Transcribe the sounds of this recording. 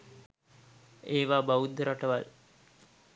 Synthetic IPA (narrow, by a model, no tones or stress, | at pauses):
eːʋaːbaud̪ːəɾaʈəʋal